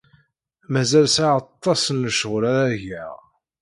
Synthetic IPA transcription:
mæzælsaʕɑt̪ˤːɑsənːəʃəʁɾæɾæʝæ

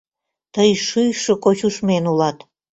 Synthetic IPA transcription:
t̪əjʃyjʃə̆kot͡ɕuʃmenulɑt̪

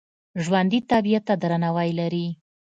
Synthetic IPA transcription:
ʒwand̪it̪abijat̪ːad̪ɾanawajlaɾi

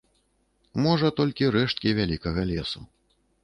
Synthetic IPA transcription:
mɔʐɐt̪ɔlʲkʲiɾɛʂt̪̚kʲivʲalʲikɐɣɐlʲɛsṵ

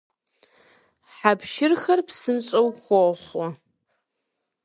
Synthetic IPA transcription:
ħapʃɪrxɐrpsɨnɕʼɐwxʷoχɔ

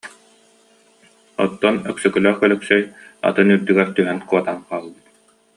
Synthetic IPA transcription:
ɔ̰t̪ːɔnœksœkœlœχkœlœksœja̰t̪ɯnyɾd̪yɡɛɾt̪yɦɛnkuɔt̪anqaːlˠbɯt̪

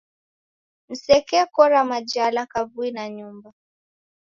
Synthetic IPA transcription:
n̩sɛkɛkɔɾamad͡ʒalakavuinaɲumba

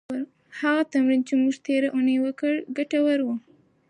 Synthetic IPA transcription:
haɣat̪amɾint͡ʃemuʒt̪eɾaʔonejwəkəɽɡaʈawaɾwu

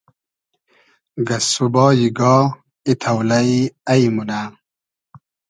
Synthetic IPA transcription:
ɡɐsubɔːjiɡɔː | it̪ʰawlaiaimuna

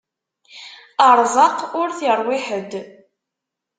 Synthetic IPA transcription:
əɾˤzˤɑqʊɾθiɾˤwɪħəd̪

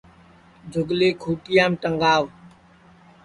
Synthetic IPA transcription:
d͡ʒʱʊɡleːkʰuːʈɪjaːmʈəŋɡaːʋ

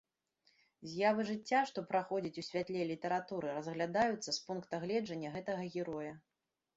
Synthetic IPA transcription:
zʲjavɨʐɨt͡sʲːaʂt̪ɔpɾaxɔd͡zʲit͡sʲusʲvʲat̪lʲɛlʲit̪ɛɾat̪uɾɨɾɐzɣlʲad̪ajut̪sːɐspunkt̪ɐɣlʲɛd͡ʐɐnʲːɐɣɛt̪ɐɣɐɣʲiɾɔjɐ

